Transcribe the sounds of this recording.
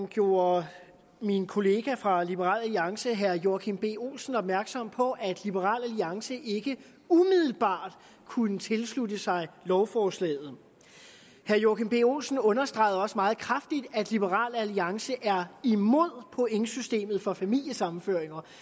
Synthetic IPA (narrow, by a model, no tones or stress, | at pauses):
mɡ̥jo̝ːɐ | minkʰo̝le̝ːɡ̥æfʁɑ̈lib̥əʁɑ̰̈ːlæliɑ̈ŋsəɦæɐjokʰeŋb̥e̝̰ːo̝̰ːlsn̩ɒ̽b̥mæɐɡ̥sɒ̽m̰pʰɒ̽ʔæd̥lib̥əʁɑ̰̈ːlæliɑ̈ŋsəʔe̝ɡ̥ə | umiðˠl̩b̥ɑ̰̈ːd̥ | kʰunət͡sʰe̝lsludəsɑ̈ɪlɒʊfɒːslɛ̰ːð̞̩ˠ | hæɐjoːkʰiŋb̥e̝̰ːo̝̰lsn̩ɔ̽nɐsd̥ʁɑ̈ɪð̩ˠɒ̽səmɑ̈ːð̩ˠkʰʁɑfd̥id̥æd̥lib̥əʁɑ̰̈ːlæliɑ̈ŋsəʔæɐimo̝ð̞̰ˠpʰɔ̽ʔeŋsysd̥e̝̰ːmð̞̩ˠfɒ̽fæmil̰jəsɑ̈mn̩føɐ̰e̝ŋɐ